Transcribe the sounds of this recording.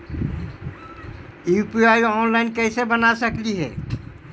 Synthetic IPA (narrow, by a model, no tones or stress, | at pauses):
upiajɔnlaɪnkɛsebənasəkliɦɛ̰ː